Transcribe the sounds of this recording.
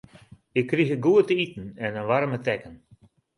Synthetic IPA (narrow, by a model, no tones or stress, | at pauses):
ɪkːrixəɡuətəitn̩ɛnənʋaɾmətɛkən